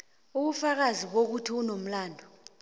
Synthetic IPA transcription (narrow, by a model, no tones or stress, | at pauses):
uɓ̬ufak̬aziɓ̬ok̬utʰiunom̩laːndʱɔ